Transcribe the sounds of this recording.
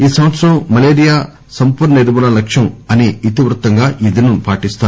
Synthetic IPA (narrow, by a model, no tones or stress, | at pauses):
iːsɐmʋɐt̪sɾɐmːɐleːɾijaː | sɐmpuːɾɳɐed̪imunɐlɐkʂjɐmɐniit̪iʋɾut̪ːɐŋɡaːʔid̪inupaːʈist̪aː